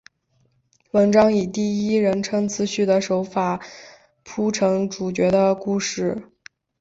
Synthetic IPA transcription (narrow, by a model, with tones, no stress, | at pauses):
wə˧˥nʈ͡ʂɑ˥ŋi˨˩t̪i˥˩i˥ɻə˧˥nʈ͡ʂʰɤ˥ŋt͡sʰɹ̩˧˥ɕy˥˩d̪ə˩ʂo˧˥ʊfa˨˩˦ | pʰu˥ʈ͡ʂʰɤ˧˥ŋʈ͡ʂu˨˩t͡ɕɥɛ˧˥d̪ə˧ku˥˧ʂɻ̩˥˩